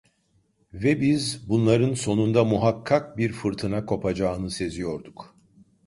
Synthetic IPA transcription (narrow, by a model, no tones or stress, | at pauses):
vɛbizbunlˠaɾɯnso̞nund̪amuɦakʰːak̚biɾfɯɾt̪ʰɯnakʰo̞pʰad͡ʒaːɯnɯse̞zijo̞ɾd̪uk